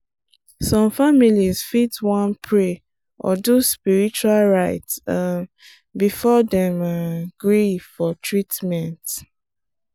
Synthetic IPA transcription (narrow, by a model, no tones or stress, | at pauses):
sɔ̃mfamilizfitwɔ̃npʰɹe | ʔɔ̰duspiɹit͡ʃualɹaɪtsa | bifɔdɛ̃maɡ̥ɹifɔtʰɹitmɛ̃nt